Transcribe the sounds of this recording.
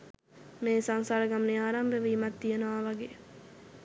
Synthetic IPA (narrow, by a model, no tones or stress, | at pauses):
meːsaŋsaːɾəɡamneaːɾambəʋəːmat̪ːijenəʋaʋaɡeː